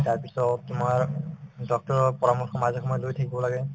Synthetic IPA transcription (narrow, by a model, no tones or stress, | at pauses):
taɹpisɔtumaɹdɔk̚tɔɹɔpɔɹamɔxʰɔmazɔxɔmɔjɔlojt̪ʰakibbɔlaɡɛ